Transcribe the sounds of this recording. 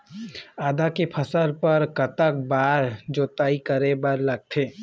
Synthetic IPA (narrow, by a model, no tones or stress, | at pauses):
aːd̪akepʰəsəɾpəɾkɐt̪ək̚baːɾd͡ʒoːt̪aːikəɾebəɾlɐɡ̚t̪ʰeː